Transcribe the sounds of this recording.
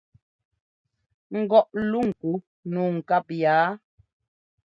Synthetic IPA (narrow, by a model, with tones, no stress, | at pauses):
ŋ̩˨ɡɔ˦˨ʔlu˦˨ŋ̩˨ku˨˦ | nu˨ŋ̩˨ka˦˨p̚jaː˨˦